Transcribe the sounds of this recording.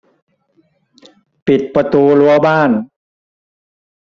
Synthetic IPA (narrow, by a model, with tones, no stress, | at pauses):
pi˨˩t̪̚pɾa˧t̪uː˧lu˧˥ɐbaː˥˩n